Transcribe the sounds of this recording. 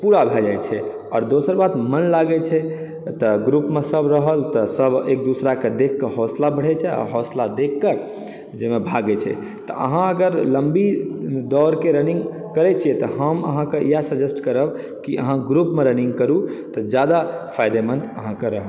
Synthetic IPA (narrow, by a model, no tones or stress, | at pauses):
puɾabʱeld͡ʒajt͡ʃʰɛ | ɔːɾd̪osəɾbad̪mənlaɡɛt͡ʃʰɛ | t̪ɔɡɾupmesəbɾəɦəlt̪ɔsəbek̚d̪usɾaked̪ekʰːəɦɔslabəɽ̤ɛt͡ʃʰɛɔ̰ɾɦɔslad̪ekʰːə | d͡ʒemebʱaɡɛt͡ʃʰɛ̰ | t̪ɔ̰ʔə̰ɦãəɡəɾləmbid̪ɔɾkeɾəniŋɡ | kəɾɛt͡ʃʰijɛt̪ɔɦəmə̰ɦãkeʔijasəd͡ʒesʈkəɾəb | kiʔə̰ɦãɡɾupmeɾənĩŋɡkəɾut̪ɔd͡ʒjad̪apʰajd̪emənt̪əɦãkeɾəɦə